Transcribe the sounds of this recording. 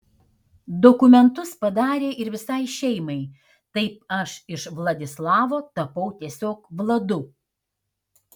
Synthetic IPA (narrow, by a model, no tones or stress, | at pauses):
d̪ɔkʊmʲɛnt̪ʊspɐd̪ɑːɾʲeːʔɪɾʋʲɪsɐɪʃʲɛɪmɐɪ | t̪ɐɪp̚ɐʃɪʃʋlˠɐd̪ʲɪslˠɑːʋoːt̪ɐpɐʊt̪ʲiɛsʲoːkʋlˠɐd̪ʊ